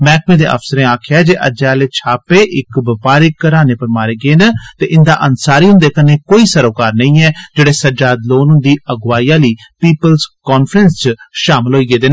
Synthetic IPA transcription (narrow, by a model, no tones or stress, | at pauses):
mɛ̃ːkmẽːd̪eːʔə̰fsəɾẽːaːkʰɪjaːd͡ʒeːʔə̰d͡ʒaːleːt͡ʃʰaːpeːʔɪkbəpaːɾɪkːəɾaːneːpəɾmaːɾeːɡeːnət̪eːʔɪnd̪a̰ːʔənsaːɾiːɦʊ̃nd̪eːkəneːkoːiːsəɾoːkaːɾnəĩːɛːd͡ʒeːɽeːsəd͡ʒaːd̪loːnɦʊ̃nd̪iːəɡwaːijãːliːpiːpəlzkɔːnfʰɾənst͡ʃʃaːmɪlɦoːiːɡeːd̪eːn